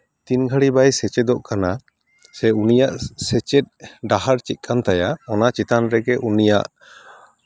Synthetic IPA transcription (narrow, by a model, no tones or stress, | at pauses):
t̪inɡʱəɽibajsɛt͡ʃɛd̪ɔʔkana | sɛunijaʔsɛt͡ʃɛt̪̚ɖaɦaɾt͡ʃit̪̚ˀkʰant̪ajaɔnat͡ʃit̪anɾɛɡɛʔunija̰ʔ